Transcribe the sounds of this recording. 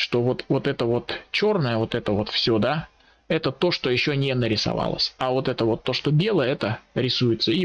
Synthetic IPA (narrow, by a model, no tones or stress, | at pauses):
ʂt̪o̞vo̞t̪vo̞t̪ɛt̪əvo̞t̪t͡ɕo̞rnəjəvo̞t̪ɛt̪əvo̞t̪fsʲod̪a | ɛt̪ət̪o̞ʂt̪o̞jɪɕːonʲenəɾʲɪsa̰vɑ̰lˠə̰sʲavo̞t̪ɛt̪əvo̞t̪ːo̞ʂt̪o̞bʲe̞lˠəjəɛt̪əɾʲɪsujɪt̪səi